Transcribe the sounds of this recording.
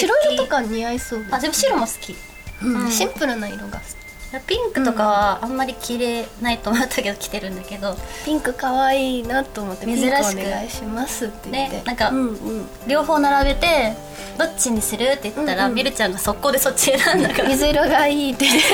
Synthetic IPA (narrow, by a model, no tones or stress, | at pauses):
ɕiɾoiɾot̪okaɲiaisoːd̪ad͡ʑeɯɕiɾomosɨ̥kʲi | ɯ̃ɕĩmpɯ̟ɾɯ̟naḭɾoɡa̰sɨ̥kʲi̥apʲĩŋkɯ̟t̪o̞kaβaamːaɾʲikʲʰiɾe̞nait̪oːmot̪ːʰake̞d̪okʲi̥t̪e̞ɾɯ̟̃nd̪ake̞d̪o̞pʲĩŋkɯ̟kaβaiːnat̪ːoːmot̪ːmemzɨɾaɕi̥nekɯɡaiɕimasɨt̪ːene̞ːḛnãŋkaɯ̃ | ɾʲo̞ːho̞ːnaɾaɡe̞t̪e̞ | d̪o̞t͡ɕiɲ̟ːisɨɾɯ̟t̪ːe̞jɯ̟t̪ːaɾamʲiɾɯ̟t͡ɕãŋɡaso̞kːo̞ːd̪e̞so̞t͡ɕienãnd̪akamezɨiɾoɡaiːt̪ːe